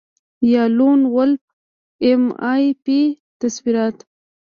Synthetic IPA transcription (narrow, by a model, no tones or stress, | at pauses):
jɑlunwʊlp̚ | emɑjpi | t̪aswiɾɑt̪